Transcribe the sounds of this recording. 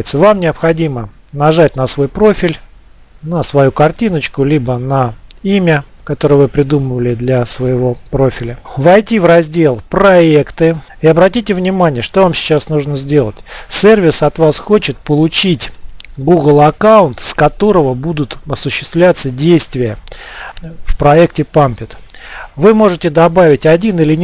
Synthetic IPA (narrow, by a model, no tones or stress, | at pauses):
ɪt̪səvamnʲɪəpxɐdʲimə | nɐʐat̚ʲnəsvo̞jpɾo̞fʲɪlʲ | nəsvɐjukɐrtʲinət͡ɕkʊlʲibənəimʲəkɐt̪o̞ɾɨjəvɨpɾʲɪd̪uməvəlʲɪd̪lʲɐsvəjɪvo̞pɾo̞fʲɪlʲəvɐjtʲivrɐzʲdʲe̞lˠpɾɐekt̪ɨ | ɪɐbɾɐtʲitʲɪvnʲɪmanʲɪjəʂt̪o̞vamsʲɪ̥t͡ɕasnuʐnəzʲdʲe̞lˠətʲsʲervʲɪsɐt̪vasxo̞t͡ɕɪt̪̚pəlˠʊt͡ɕitʲɡuɡlˠɐkaʊnt̪skɐt̪o̞ɾəvəbud̪ʊt̪ɐsʊɕːɪ̥st̪vlʲat̪sədʲejst̪vʲɪjə | fpɾɐektʲɪpampʲɪt̪vɨmo̞ʐɨtʲɪd̪ɐbavʲɪtʲɐdʲinɨlʲɪ